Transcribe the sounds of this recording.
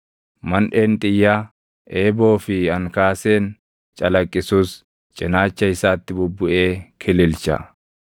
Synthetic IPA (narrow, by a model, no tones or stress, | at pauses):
mɐnᶑe̞ːnt̪ʼɪjːa | ʔe̞ːbo̞ːfɪɐŋkaːse̞ːn | t͡ʃʼɐlɐkʼːɪsuːs | t͡ʃʼɪnaːt͡ʃːɐɪsaːt̪ːɪbʊbːʊʔe̞ːkʰɪlɪlt͡ʃɐ̰